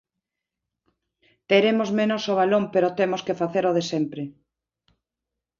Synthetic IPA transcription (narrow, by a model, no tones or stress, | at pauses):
t̪eɾemozmenosoβ̞alompeɾot̪emoskefaθeɾoð̞esempɾe